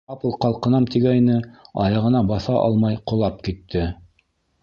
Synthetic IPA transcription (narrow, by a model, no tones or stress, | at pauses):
ɑpɤlˠqɑlˠqɤ̆nɑmt̪iɡæjnɘɑjɑʁɤ̆nɑbɑθɑʔɑ̰lˠmɑjqŏlˠɑp̚kit̪ːɘ